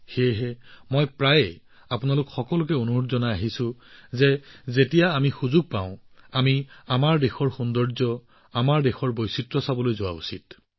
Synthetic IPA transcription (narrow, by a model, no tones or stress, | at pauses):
xejɦɛmɔjpɹajɛ | apʊnalʊkxɔkɔlʊk̬ɛonuɦʊtzɔnaaɦisʊ̃zɛzetijaːmixuzuɡ̚paʊ̃amiamaɹdexɔɹxundɔɹzɔ | amaɹdexɔɹbojsitɹɔsabɔlojzʊwa̰ṵsit̚